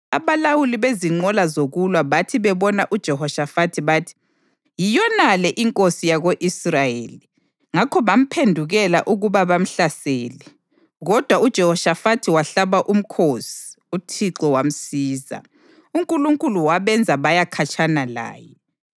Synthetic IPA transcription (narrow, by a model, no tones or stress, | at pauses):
aβalawuliβeziŋ͡ǀɔlazoɣulwaβatʰiβɛβɔnaʔud̥ʒ̥ʱɛɦɔʃafatʰiβaːtʰi̥ | jijɔnalɛʔiŋkʼosijaɣoʔisrajeːli | ŋakʰɔβam̩pʰendʱuɣɛlaʔuɣuβaβam̩ɬaseːli | ɣɔd̥ʱwaud̥ʒ̥ʱɛhɔʃafatʰiwaɬaβaʔum̩kʰosi̥ | utʰiǁɔwam̩siːza̰ | uŋkʼuluŋkʼuluwaβɛnd͡zʱaβajakʰat͡ʃʰʼanala̰ːjɛ